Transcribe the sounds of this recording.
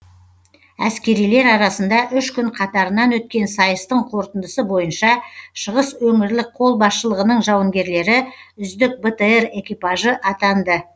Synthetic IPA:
æskʲe̞ɾijle̞ɾɑɾɑsənd̪ɑʔʏʃkʲʰʏɴqʰɑt̪ɑɾənɑnwɵt̪̚kʲe̞nsɑjəst̪əɴqʰo̞ɾt̪ənd̪əsəbo̞jənʃɑʃəʁəswɵŋɪɾlɪk̚qʰo̞lˠbɑsʃəlˠəʁənəɴʒɑwəŋɡʲe̞ɾle̞ɾɪʏzd̪ɪk̚bet̪eere̞kʲijpɑʒəʔɑt̪ɑnd̪ə

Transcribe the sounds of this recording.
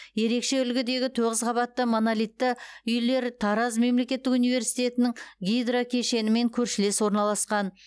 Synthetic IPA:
je̞ɾe̞kʃe̞ʏlɡʲɪd̪e̞ɡʲɪt̪ʰoʁəzqʰɑβɑt̪ːəmonalijt̪ːəʏjle̞ɾt̪ʰɑɾɑzme̞mle̞kʲe̞t̪ːɪkunijve̞ɾsijt̪ʲe̞t̪ɪnɪŋɡʲijd̪ɾokʲʰeʃe̞nɪme̞ŋkʲʰɵɾʃɪle̞swo̞ɾnɑlˠɑsqɑn

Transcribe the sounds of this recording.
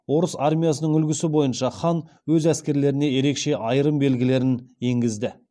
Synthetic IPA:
wo̞ɾəsarmʲijas̬ənəɴʏlɡʲɪsɪbo̞jənʃɑχɑn | wɵzæskʲe̞ɾle̞ɾɪne̞je̞ɾe̞kʃe̞ʔɑjɾəmbe̞lɡʲɪle̞ɾɪne̞ŋɡʲɪzd̪ɪ

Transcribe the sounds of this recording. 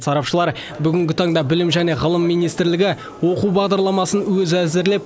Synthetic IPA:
sɑɾɑpʃəlˠɑɾ | bʏɡʲɪŋɡʲɪt̪ʰɑɴd̪ɑbɪlɪmʒæne̞ʁəlˠəmːijnijst̪ɾlɪɡʲɪ | wo̞quwbɑʁd̪ɑɾlˠɑmɑsənwɵzæzɪɾle̞p

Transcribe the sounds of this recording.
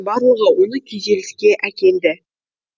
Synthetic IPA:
bɑɾuʁəwo̞nəkʲʰejze̞lɪ̥skʲe̞ʔækʲe̞ld̪ɪ

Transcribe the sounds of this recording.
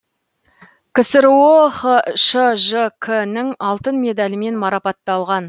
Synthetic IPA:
kʲʰɪsɪɾwoχəʃəʒəkʰənɪŋɑlˠt̪ənme̞d̪ɑlʲɪme̞nmɑɾɑpɑt̪ːɑlˠʁɑn

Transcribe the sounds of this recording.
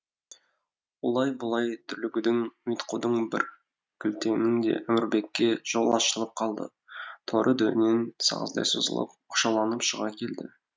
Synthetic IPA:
wolˠɑjbʊlˠɑjt̪ʰʏɾlɪɡʲɪd̪ɪŋmijt̪qud̪əɴbɪɾ | kʲʰʏlt̪ʰe̞mɪŋd̪e̞̰ʔæmɪɾbe̞kʲːe̞ʒ̥olˠɑʃəlˠəp̚qʰɑlˠd̪ə̰ | t̪ʰoɾʔəd̪ɵnensɑ̰ʁə̰zd̪ɑ̰jso̰zə̰lˠə̰p̚qʰʊ̥ʃɑlˠɑnəpʃəʁɑkʲʰe̞ld̪ɪ

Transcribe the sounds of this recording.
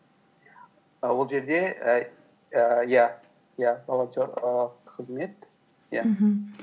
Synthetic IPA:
wo̞lˠʒe̞ɾd̪e̞ | ja | javalˠat̪ʲoɾqqʰəzme̞t̪ | ja̰

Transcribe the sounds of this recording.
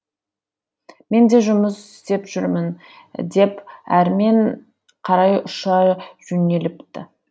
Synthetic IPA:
me̞nd̪e̞ʒʊməsɪst̪e̞pʒ̥ʏɾmɪn | d̪e̞pæɾme̞ɴ | qʰɑɾɑjʊʃɑʒ̥ɵne̞lɪpt̪ɪ

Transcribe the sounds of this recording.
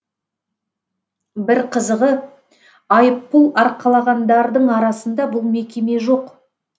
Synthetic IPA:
bɪɾqʰəzəʁə | ɑjəpːʊlˠɑɾqɑlˠɑʁɑnd̪ɑɾd̪əɴɑɾɑsənd̪ɑbʊlˠme̞kʲe̞me̞ʒo̞q

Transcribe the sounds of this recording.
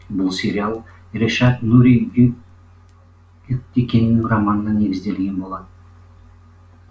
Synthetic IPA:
bʊlˠsʲe̞ɾʲialˠ | ɾʲeʃɑt̪nuɾʲi | ʏk̚t̪ekʲe̞nɪnɪŋramɑnənɑne̞ɡʲɪzd̪e̞lɡʲe̞nbo̞lˠɑd̪ə

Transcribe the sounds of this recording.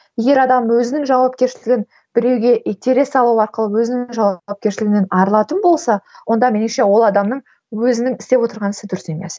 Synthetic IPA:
je̞ɡʲe̞ɾɑd̪ɑmwɵzɪnɪŋʒɑwɑp̚kʲe̞ɾʃɪlɪɡʲɪn | b̥ɪɾe̞wɡʲe̞ʔet̪ʲʰeɾe̞sːɑlˠɑwɑɾqəlˠəwɵzɪnɪŋʒɑwɑp̚kʲeɾʃɪlɪɡɪne̞nɑɾlˠɑt̪ənbo̞lˠsɑwo̞nd̪ɑmenmʃe̞wo̞lˠɑd̪ɑmnəɴ | wɵzɪnɪŋɪst̪e̞pwo̞t̪əɾʁɑnɪsɪd̪ʏɾʏse̞me̞̰s

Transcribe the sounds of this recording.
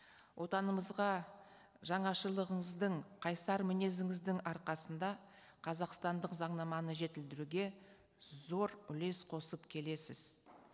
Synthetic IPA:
wʔo̞t̪ɑnəməzʁɑ | ʒɑɴɑʃəlˠəʁəɴəzd̪əɴqʰɑjsɑɾmɪne̞zɪŋɪzd̪ɪŋɑɾqɑsənd̪ɑ | qʰɑzɑqst̪ɑnd̪əqzɑɴnɑmɑnəʒe̞t̪ɪld̪ɪɾuɡʲe̞ | zo̞ɾʏle̞sqʰo̞səpkʲʰe̞le̞sɪz̥

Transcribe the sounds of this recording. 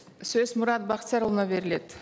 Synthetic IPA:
sɵzmʊɾɑt̪̚bɑqt̪sɑɾəlˠənɑbe̞ɾɪle̞d̪̥

